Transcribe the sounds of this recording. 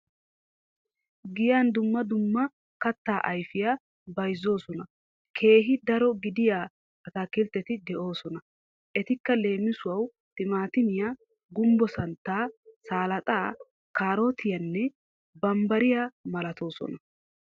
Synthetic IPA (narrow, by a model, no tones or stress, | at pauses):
ɡɪjand̪ʊmːɐd̪ʊmːɐ | kɐt̪ːaːʔɐjfɪjaː | bɐjzːo̞ːsɔnɐ | kʰe̞ːɦɪd̪ɐɾɔɡɪd̪ɪjaː | ɐt̪akːɪlt̪ːɛt̪ɪd̪ɛʔo̞ːsɔnɐ | ʔɛt̪ɪkːɐle̞ːmɪsʊwɐw | t̪ɪmaːt̪ɪmɪja | ɡʊmbɔsɐnt̪ːaːsaːlɐt̪ʼaː | kaːɾo̞ːt̪ʰɪjɐnːɛ | bɐmbɐɾɪjamɐlɐt̪ʰo̞ːsɔ̰nɐ